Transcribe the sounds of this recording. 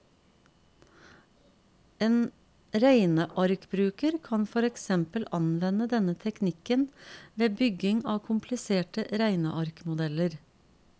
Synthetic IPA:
eːn | ɾæɪnəʔɑɾkbɾʉːkəɾkʰɑnfɔɾɛksɛmpəlʔɑnʋɛnəd̪ɛnət̪ʰɛknɪkənʋeːbʏɡɪŋɑːkʰʊmpʰlɪseːʈəɾæɪnə̰ʔɑɾkmʊd̪ɛləɾ

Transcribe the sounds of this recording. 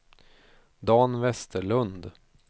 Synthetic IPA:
d̪ɑːnvɛst̪ʰəɭɵnd̪

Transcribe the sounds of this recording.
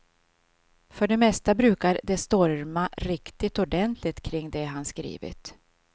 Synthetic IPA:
fœɖɛmɛst̪abɾʉ̟ːkaɾd̪ɛst̪ɔɾmaɾɪkt̪ɪt̪ɔɖɛnt̪ʰlɪt̪kʰɾɪŋːd̪ɛɦanskɾḭːvɪ̰t̪

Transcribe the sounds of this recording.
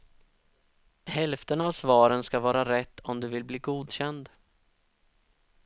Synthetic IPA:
hɛlft̪ənavsvɑːɾənskavɑːɾaɾɛt̪ʰːɔmd̪ɵvɪlbliːɡuːd̪ɕɛnd̪

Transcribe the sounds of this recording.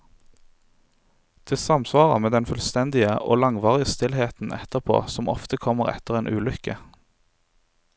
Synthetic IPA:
d̪̥ɪːsɑmsʋɑːʁə̰meːd̪ɛnfʉlst̪ɛnd̪ɪəʔo̰ːlɑŋʋɑːʁɪəst̪ɪlheːt̪n̩ɛ̰t̪əʁpʰo̰ːsɔmɔ̰ft̪əkʰɔməʁɛ̰t̪əʁeːnʔʉːlʏkə

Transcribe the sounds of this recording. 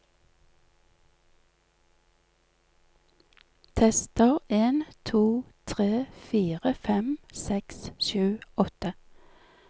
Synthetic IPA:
t̪ʰɛst̪əʁeːnt̪ʰuːt̪ʰʁeːfiːʁəfɛmsɛksʃʉːʔɔt̪ə

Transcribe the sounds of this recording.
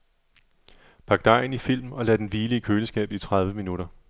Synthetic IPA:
pʰɑ̈ɡ̥̚d̥ɑ̈ɪn̩ifil̰mɒ̽lɛ̰d̥enʋiːliəkʰøːləsɡ̥ɛ̰ːb̥it͡sʰʁɑ̈ð̞ˠʋəminuɾ̥ɐ

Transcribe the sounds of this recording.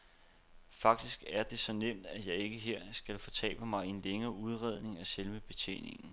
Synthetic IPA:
fɑ̈ɡ̥̚d̥isɡ̥æɐd̥e̝sɒ̽nem̰d̥æ̥jɑ̈ɪe̝ɡ̥əɦe̝ɐ̰sɡ̥ælfɒ̽t͡sʰɛ̰ːb̥əmɑ̈ɪe̝nleŋɐːʔuð̞ˠʁɛð̞̰ˠne̝ŋæselʋəb̥e̝t͡sʰḛːne̝ŋn̩

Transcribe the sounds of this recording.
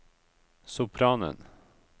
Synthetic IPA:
sʊpʰɾɑːnə̰n

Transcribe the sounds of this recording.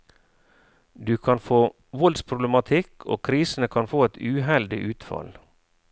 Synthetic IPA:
d̪ʉːkʰɑnfoː | ʋɔld̪spʰɾʊbləmɑt̪ʰɪkʰo̰ːkʰɾiːsn̩əkʰɑnfoːɛt̪ʉːɦɛld̪ɪʔʉːt̪fɑ̰l

